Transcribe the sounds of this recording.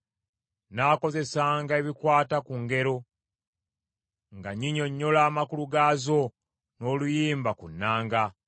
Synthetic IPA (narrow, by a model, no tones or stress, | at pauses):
naːko̞ze̞saːŋɡaeβikwaːtakuŋɡe̞ɾo̞ | ŋɡaɲiɲo̞ɲːo̞laːmakuluɡaːzo̞ | no̞ːlujiːmbakunːaːŋɡa